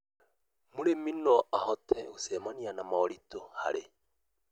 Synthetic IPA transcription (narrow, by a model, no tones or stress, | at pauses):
muɾeminɔʔahɔtɛosɛmanianamaɔɾitɔha̰ɾe